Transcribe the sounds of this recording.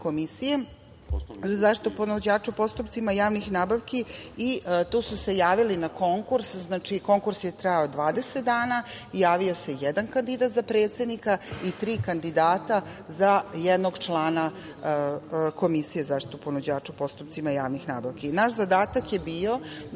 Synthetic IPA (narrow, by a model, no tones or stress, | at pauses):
ko̞misije | zaʃt̪i̥t̪uponod͡ʑaːʈ͡ʂupo̞st̪upt̪simajaːʋnixnaːbaʋkiit̪uːsuse̞jaːʋilinako̞ŋkuɾsznaːt͡ʃiko̞ŋkuɾsjet̪ɾajaod̪ʋaːd̪e̞set̪̚d̪aːnajaːʋio̞se̞jɛd̪ankand̪id̪at̪zapɾeːt̪se̞d̪nikait̪ɾiːkand̪id̪aːt̪a | zajɛd̪noɡt͡ʃlˠaːna | ko̞misijezaʃt̪i̥t̪uponod͡ʑaːt͡ʂupost̪upt̪simajaːʋnixnaːbaʋkinaʃzad̪aːt̪akjebiːo̞